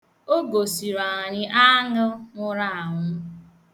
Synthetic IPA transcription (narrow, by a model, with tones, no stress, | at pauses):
o˦ɡo˨si˨ɾa˨ɲɪ˦ʔa˦ŋʊ˦ŋʊ˦ɾa˦˨a˨ɦʊ˦